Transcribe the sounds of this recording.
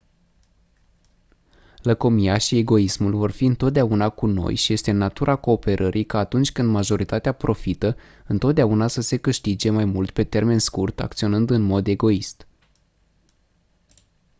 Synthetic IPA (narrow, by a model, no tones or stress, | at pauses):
ləko̞mijaʃie̞ɡo̞ismulvo̞rfiɨnt̪ot̪̚d̪eaunakuno̞̰jʃije̞st̪e̞nat̪uɾʔako̞ːpe̞ɾʔəɾʔijkaːt̪unt͡ʃʲkɨnd̪maʒo̞ɾit̪at̪eapɾʔo̞fit̪ə | ɨnt̪ot̪d̪eaunasəse̞kɨʃt̪id͡ʒe̞majmult̪pe̞t̪e̞rme̞nskurt̪a̰k̚t̪sio̞nɨnd̪ɨnmo̞d̪e̞ɡo̞ist̪